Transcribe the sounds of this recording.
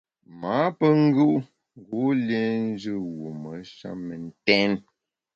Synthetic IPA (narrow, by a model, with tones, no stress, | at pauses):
ma˨˦pə˦ŋ̩˦ɡu˦ʔ | ŋ˨ɡu˨˦lje˦n̩˦d͡ʒɨ˦˨wu˨mə˨˦ʃa̰˦mə˨n̩˦tɛ˦n